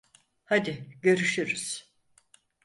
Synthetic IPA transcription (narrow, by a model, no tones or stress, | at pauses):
had̪ɪɟø̞ɾyʃyɾyz̥